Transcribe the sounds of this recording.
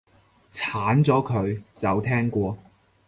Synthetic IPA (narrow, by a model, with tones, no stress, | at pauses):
t͡sʰaː˨˥nt͡sɔː˨˥kʰɵ˨˧ɥt͡sɐ˨wt̪ʰɛː˥ŋkʷɔː˧